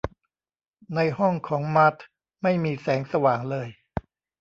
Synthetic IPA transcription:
na˧jhɔ˥˩ŋkʰɔː˩˦ŋma˦˥t̪ʰ | ma˥˩jmiː˧sɛː˩˦ŋsa˧waː˨˩ŋlɤː˧j

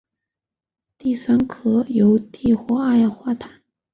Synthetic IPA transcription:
t̪i˥˩sa˥nkʰɤ˥jo˧˥ʊt̪i˥˩xwɔ˥a˥˧jɑ˥˧˩ŋxwa˥˩t̪ʰḁ˨˩˦n

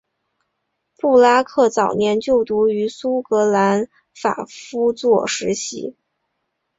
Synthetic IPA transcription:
pu˥˩la˥kʰɤ˥˩t͡sɑ˨˩ʊnjɛ˧˥nt͡ɕjo˥˩ʊt̪u˧˥y˧˥su˥kɤ˧˥la˧˥n | fa̰˨˩fu˥t͡swɔ˥˩ʂɻ̩˧˥ɕḭ˧˥

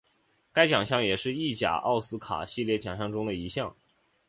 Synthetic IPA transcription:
ka˥ɪt͡ɕjɑ˨˩ŋɕjɑ˥˩ŋjɛ˨˩ʂɻ̩˥˧i˥˩t͡ɕja̰˨˩ʔɑ̰˥˩ʊsɹ̩˥kʰa̰˨˩ɕi˥˧ljɛ˥˩t͡ɕjɑ˨˩ŋɕjɑ˥˩ŋʈ͡ʂʊ˥ŋd̪ə˨i˧˥ɕjɑ˥˩ŋ

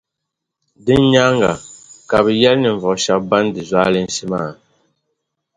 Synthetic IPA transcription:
di˦n˦ɲa˦ŋɡa̰˨ka˨bjɛ˦lni˨ɱ˨vɔ˨ʃa˦ba˦ndi˨zwa˦li˦n̩˦si˦maː˦˨

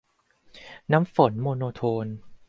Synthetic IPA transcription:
na˦˥mfo˨˩˦nmoː˧noː˧t̪ʰoː˧n

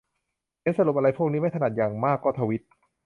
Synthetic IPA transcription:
je˦˥˨nsa˧lu˨˩p̚ʔa˧a˧jpʰu˥˩ək̚i˦˥ma˥˩jt̪ʰna˨˩t̪̚jaː˨˩ŋmaː˥˩kːɔː˥˩t̪ʰa˧wi˦˥t̪̚

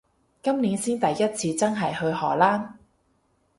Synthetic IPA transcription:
kɐ˥mniː˨˥nsiː˥nt̪ɐ˨jːɐ˥t̚t͡sʰiː˧t͡sɐ˥nɦɐ˨˩jhɵ˧ɥhɔː˨˩laː˥n

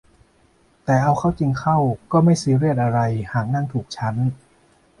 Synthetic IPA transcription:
t̪ɛː˨˩ʔa˧wkʰa˥˩wt͡ɕi˧ŋkʰa˥˩wkɔː˥˩ma˥˩jsɯː˦˥ɾi˥˩ət̪̚ʔa˧ɾa˧jhaː˨˩k̚na˥˩ŋt̪ʰuː˨˩k̚t͡ɕʰa˦˥n

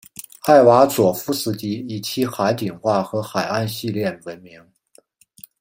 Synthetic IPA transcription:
a˥˩ɪwa˧˥t͡swɔ˨˩fu˥˧sɹ̩˧˥t͡ɕi˧˥i˨˩t͡ɕʰi˧˥xa˧˥ɪt̪i˨˩ŋxwa˥˩xɤ˧˥xa˨˩ɪa˥˧nɕi˥˧ljɛ˥˩nwə˧˥nmi˧˥ŋ

